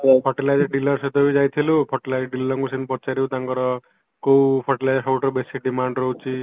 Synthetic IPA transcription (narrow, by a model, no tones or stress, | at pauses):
pʰɔʈilajd͡ʒɔɖilɔɾset̪ɔbid͡ʒajt̪ʰilupʰɔʈilajd͡ʒɔɖilɔɾɔŋkusenpɔt͡ʃaɾiut̪aŋkɔɾɔ | kowpʰɔʈilajd͡ʒɾkʰawʈɾbesiɖimaɳɖɾɔɦut͡ʃʰi